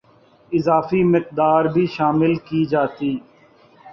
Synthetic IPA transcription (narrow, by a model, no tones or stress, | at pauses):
ɪzaːfimɪq̚d̪aːɾbʱiːʃaːmɪlkid͡ʒaːt̪iː